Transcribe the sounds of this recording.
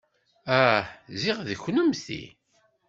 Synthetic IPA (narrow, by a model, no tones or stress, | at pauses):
æhziʁðəçːnəmθḭ